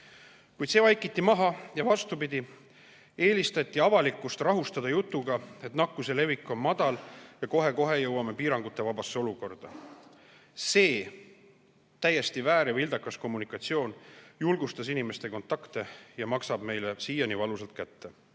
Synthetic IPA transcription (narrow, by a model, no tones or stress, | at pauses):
kujd̪se̞ːvɑjkːˑit̪ːimɑɦɑjɑvɑst̪upid̪̥ʲi | e̞ːlist̪ɑt̪ʲˑːiɑvɑlikːˑust̪rɑɦust̪ɑd̪̥ɑjut̪ːˑuɡ̥ɑe̞t̪nɑkːuse̞le̞vikːˑo̞nmɑd̪̥ɑljɑko̞ɦe̞ko̞ɦe̞jɤwɑme̞piːɾɑŋɡ̥ut̪ːˑe̞vɑbɑsːeo̞luko̞rd̪̥ɑ | se̞ː | t̪æjːe̞st̪ivæːɾjɑvild̪̥ɑkːˑɑsko̞mːunikːˑɑt̪sio̞ːnjulɡ̥ust̪ɑs̬inime̞st̪e̞ko̞nt̪ˑɑkt̪e̞jɑmɑksɑb̥me̞jle̞siːjɑnivɑluselt̪̚kæt̪ːe̞